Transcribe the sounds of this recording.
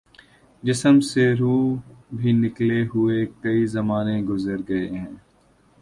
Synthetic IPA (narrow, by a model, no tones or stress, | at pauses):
d͡ʒɪsəmseɾuːbʱinɪkleɦʊekɐizɐmaːneɡʊzəɾɡɐeɦɛ̃ː